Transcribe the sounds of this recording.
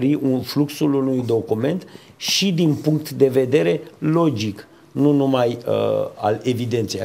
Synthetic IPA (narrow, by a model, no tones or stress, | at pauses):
ɾiʔunfluksulunujd̪o̞kume̞nt̪ | ʃid̪inpuŋk̚t̪d̪e̞ve̞d̪e̞ɾe̞lo̞d͡ʒik | nunumajə̰a̰le̞vid̪e̞nt̪sej